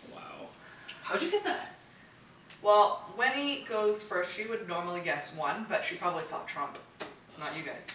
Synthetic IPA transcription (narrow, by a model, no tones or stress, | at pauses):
wa̰ʊ | haʊd͡ʒɨɡɛt̪̚ðæt̚ | wɛlˠwɛ̃niɡoʊz̥fɜ˞stʃiwɨdⁿnɔɹml̩ˠiɡɛswʌ̃nbʌtʃipʰɹ̥ɑbəblisɛ̰f̚tʰɹ̥ʌ̃mp | nət͡ʃjɨɡaɪz̥